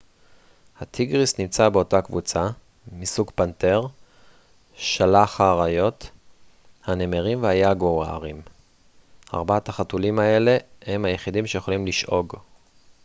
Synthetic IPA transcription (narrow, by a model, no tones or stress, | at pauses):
hat̪ʰiɡʁisnimt͡sabe̞o̞takvṵt͡sa | misuɡpante̞ʁ | ʃalaχhaːʁajo̞t | hane̞meʁimvehajaɡoaa̰ʁim | a̰ʁbaataχatulimaele̞hemhajeχidimʃejeχo̞limliʃʔo̞ɡ